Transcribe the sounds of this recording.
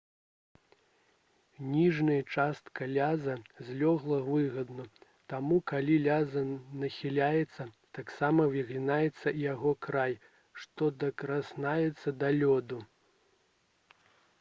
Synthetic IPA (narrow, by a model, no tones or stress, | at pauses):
nʲiʐnɐjɐt͡ʂast̪kɐlʲazɐzʲlʲɔɣlˠɐvɨɣɐd̪nɐ | t̪amukalʲilʲazɐnɐxʲilʲajɛt̪sːɐt̪aksamɐviɣlʲinajɛt̪sːɐjaɣɔkɾaj | ʂt̪ɔd̪ɐkɾasnajɛt̪sːɐd̪alʲɔd̪u